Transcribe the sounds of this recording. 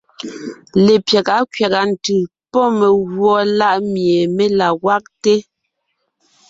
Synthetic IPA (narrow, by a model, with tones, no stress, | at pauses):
le˨pjɛ˨ka˨˦kɥja˨ɣa˨n̩˨tɯ˨ | pɔ˦me˨ɣwɔ˨˦la˦˨ʔmje˨me˦la˨ɣwa˦k̚te˦